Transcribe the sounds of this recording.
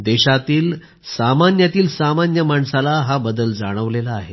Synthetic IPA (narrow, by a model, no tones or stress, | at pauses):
d̪ɛɕat̪iːl | samanjat̪iːlsamanjəmaɳsalaɦabəd̪əld͡zaɽ̃əʋlelaːɦe